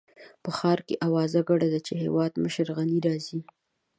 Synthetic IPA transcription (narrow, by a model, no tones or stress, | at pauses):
pəxɑɾkeʔawɑzaɡaɽad̪at͡ʃeɦḛwɑd̪məʃəɾɣaniɾɑzi